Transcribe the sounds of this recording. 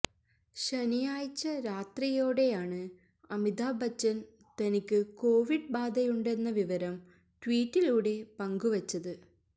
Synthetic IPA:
ɕɐnijaːjit͡ɕːɐɾaːt̪rijo̞ːɽe̞jaːɳɨ | ɐmid̪aːbʱɐt͡ɕːɐn | t̪ɐnikʲːɨko̞ːʋiɖ̚baːd̪ɐjuɳɖe̞nːɐʋiʋɐɾɐm | ʈwiːtːiluːɽe̞pɐŋɡuʋɐt͡ɕːɐðɨ

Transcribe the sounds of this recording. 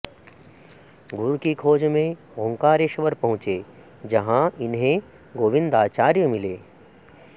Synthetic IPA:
ɡʱʊɾkikʰoːd͡ʒmẽ | õːŋkaːɾeʃʋəɾpɐɦʊ̃t͡ʃeː | d͡ʒɐɦãɪnɦẽ | ɡoːʋɪ̃nd̪aːt͡ʃaːɾjəmɪleː

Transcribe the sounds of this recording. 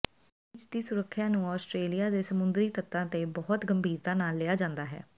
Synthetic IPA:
ɪt͡ʃd̪iːsʊɾəkʰːjãːnũːɔːsʈɾeːlijaːd̪eːsəmʊnd̪ɾiːt̪ət̪ːãːt̪ebɔːt̪ɡəmbʱiːɾt̪aːnaːlːeːaːd͡ʒãːnd̪aːɦɛ̰ː

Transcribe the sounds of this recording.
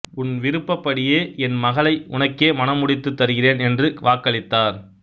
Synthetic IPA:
ʊnʋɪɾɯpːɐpːɐɽɪjeːɛnmɐɣɐɭɐɪʊ̰nɐkːeːmɐnɐmʊɽɪt̪ːɯt̪ːɐɾɯɣɪreːnɛndrɯʋaːkːɐɭɪt̪ːaːɾ

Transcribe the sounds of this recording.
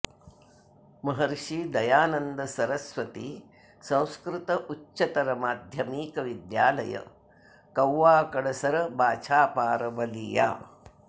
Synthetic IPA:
mɐɦɐɾʂiːd̪ɐjaːnɐnd̪ɐsɐɾɐsʋɐt̪iː | sɐ̃w̃skɾɪt̪ɐʔutːʃɐt̪ɐɾɐmaːd̪ʱjɐmiːkɐʋid̪ja̰ːlɐ̰jɐ̰ | kɐwːaːkɐɽɐsɐɾɐbaːt͡ʃʰaːpaːɾɐbɐliːja̰ː

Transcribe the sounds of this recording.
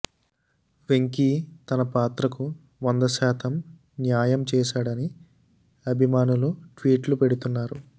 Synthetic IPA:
ʋe̞ŋkit̪ɐnɐpaːt̪ɾɐku | ʋond̪ɐʃɛːt̪ɐm | njaːjɐmt͡ʃɛːʃaːɽɐni | ɐbʱimaːnuluʈʋiːʈlupe̞ɽut̪unːaːɾu

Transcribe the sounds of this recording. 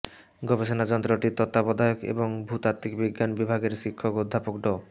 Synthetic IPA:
ɡɔbeʃonad͡ʑɔnt̪ɾoʈit̪ɔt̪ːapɔd̪ajokḛboŋbʱut̪at̪ːikbiɡːanbibʱaɡeɾʃikʰːokod̪ʱːapokɖo

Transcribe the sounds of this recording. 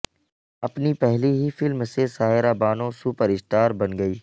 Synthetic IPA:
ɐpnipɛɦliɦifɪlmsesaːɦɪɾaːbaːnõsuːpəɾɪsʈaːɾbɐnɡɐiː

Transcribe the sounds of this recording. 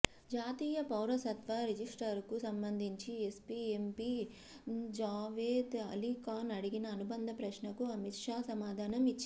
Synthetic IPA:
d͡ʒaːt̪iːjɐpɐwɾɐsɐt̪ʋɐɾed͡ʒisʈɐɾkusɐmbɐnd̪ʱiɲt͡ʃiespiempi | d͡ʒaːʋeːd̪ɐlikaːnɐɽiɡinɐːnubɐnd̪ʱɐpɾɐʃɳɐkuɐmit̪ʂaːsɐmaːd̪ʱaːnɐmit͡ʃːi

